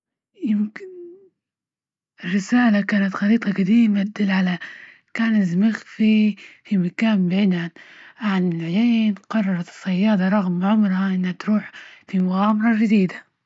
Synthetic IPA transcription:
jɪmkɪn | ɪrːɪsaːlakaːnat̪xɑɾiːt̪ˤɑɡad̪iːmat̪d̪ɪlːʕala | kaːnɪzmɪxfifimakaːnbɪʕɪd̪anʕanɪlʕjeːnqɑrˤːɑɾˤɑt̪ɨ̥sˤːɑjːɑːd̪ˤɑɾˤɑɣmʕʊmɾhaʔɪnːhat̪ɾuːħfimʊɣaːmɑɾˤɑʒɪd̪iːd̪a

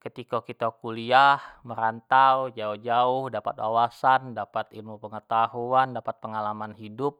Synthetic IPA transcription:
kət̪ikakit̪akuliahməɾant̪awd͡ʒaʊhd͡ʒaʊhdapa̰t̪wa̰wasandapat̪ilmupəŋət̪ahuandapat̪̚pəŋalamanɦidʊp̚

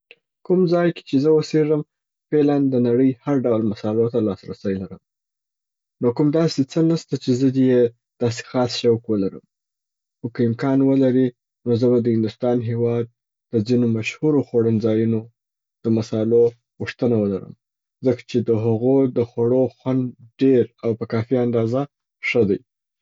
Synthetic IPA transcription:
kumzɑjke̥t͡ʃezəwəseɾəm | feland̪ənaɽəjhaɾɖawlmasɑɪlot̪alɑsɾa̰səjlaɾəm | nokumd̪ɑset͡sənəst̪at͡ʃezəd̪je | d̪̥ɑse̥xɑsʃawkwəlaɾəm | xokaɪmkɑnwəlaɾi | nozəbad̪əhɪnd̪ʊst̪ɑnɦewɑd̪̚ː | əd͡zinomaʃhuɾoxoɽənd͡zɑjuno | d̪̥əmasɑlo | ɣuʂt̪ənawəlaɾə̰m | zəkḁt͡ʃed̪əɦaɣod̪əxwaɽoxwand̪ɖeɾawpəkɑfiand̪ɑza | ʂəd̪aj

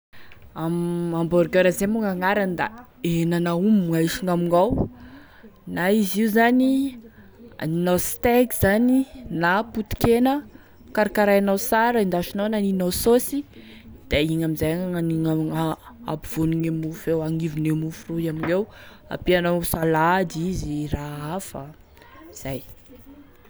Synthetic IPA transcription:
amambɔɾɡøɾazemuŋaŋaɾanid̪a̰ | enanaumŋaiʃiŋamiŋaw | naiziuzani | a̰ninost̪ekiz̥aninaput̪i̥kenə | kaɾakaɾajanawsaɾəind̪aʃinawnaninososi | d̪̥eiŋamizajaŋaŋaniŋaaa̰piv̥oniŋemufewaŋivinemufuruamiŋewa̰pianasalad̪iziraafa | iz̥aj

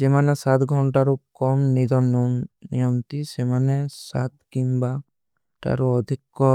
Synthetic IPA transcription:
d͡ʒemanesat̪ɡʱɔɳʈaɾokɔmnid̪ɔnɔnijɔmt̪isemanesa̰t̪̚kimba | ʈa̰ɾoɔd̪ʱikːɔ

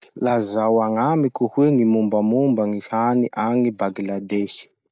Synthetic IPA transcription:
lazawaŋamikuhweŋimumbamumbaŋihaniʔaŋibaɡilad̪eʃi̥

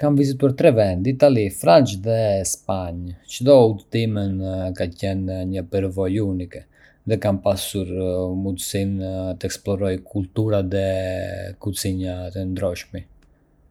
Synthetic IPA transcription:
kamvizit̪uaɾt̪ɾɛvɛnd̪iːt̪alifɾant͡ʃðɛspaɲt͡ʃd̪ɔut̪imənkacɛnɲəpəɾvɔjunikɛ | ðɛkampasuɾmud̪sint̪əɛksplɔɾɔjkʰult̪uɾaðɛ | kusiɲat̪ənd̪ɾɔʃmi

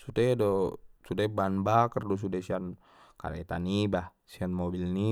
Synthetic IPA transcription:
sutɛdosudɛbanbakərdɔs̬udasian | ka̰ɾɛ̰t̪aniba | sianmɔbilni

